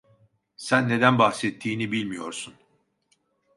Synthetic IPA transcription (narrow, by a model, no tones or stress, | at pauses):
sænːe̞d̪ænbahsɛt̪ʰːiːnibilʲmijo̞ɾsun